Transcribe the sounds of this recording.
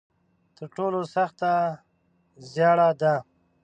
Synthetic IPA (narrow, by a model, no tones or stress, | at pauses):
t̪əɾʈolosaxt̪a | zjɑɽad̪a